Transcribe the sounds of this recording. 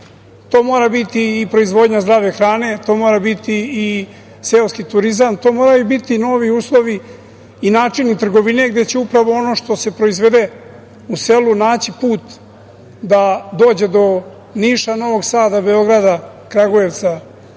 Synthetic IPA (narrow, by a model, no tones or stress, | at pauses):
t̪o̞ːmo̞ːɾabit̪iːpɾo̞izʋo̞d̪ɲazd̪ɾaːʋe̞xɾaːne̞t̪o̞ːmo̞ːɾabit̪iː | selskit̪uɾizamt̪o̞ːmo̞ːɾajubit̪ino̞ːʋiuːslˠo̞ʋiː | naːt͡ʂinit̪r̩ɡo̞ʋine̞ɡd̪e̞t͡ɕeupɾaʋo̞ono̞ʃt̪o̞se̞pɾo̞izʋe̞d̪e̞ | use̞lunaːt͡ɕipuːt̪ | d̪ad̪o̞ːd͡ʑe̞d̪o̞ | niʃano̞ʋo̞ɡsaːd̪abe̞o̞ɡɾad̪a | kɾaɡoje̞ʋt̪sa